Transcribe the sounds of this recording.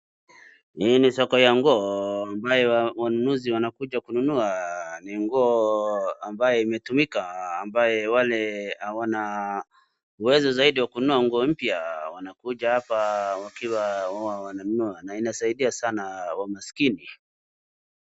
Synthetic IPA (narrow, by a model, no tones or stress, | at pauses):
hiːnisɔkɔjaŋɡɔːambajɛwanunuziwanakuʄakununuaniŋɡɔːambajɛimɛtumikaːmbajɛwalɛhawana | uwɛzɔzaiɗiwakunuaŋɡɔːm̩pjawanakuʄahapawakiwawawawananunuanainasaiɗiasanawamasi̥kini